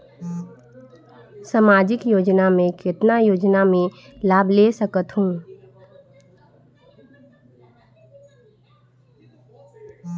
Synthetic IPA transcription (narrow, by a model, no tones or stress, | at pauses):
samaːd͡ʒɪkjoːd͡ʒnamẽkɪt̪najoːd͡ʒnamẽlaːbʱlesəkət̪ɦũː